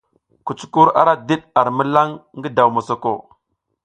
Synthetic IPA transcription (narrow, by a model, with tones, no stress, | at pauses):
ku˨t͡su̥˦ku˦ɾa̰˦ɾa˦di˦ɗa˨ɾmə˦la˦ŋɡə˦da˨wma˨so˨ko˨